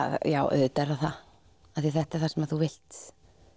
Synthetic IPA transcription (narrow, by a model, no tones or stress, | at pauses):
jaːwʔœ̰ðt̪ɛɾaθa | aθiθɛht̪ɛɾ̥θḁsɛmaðθuvɪl̥t̪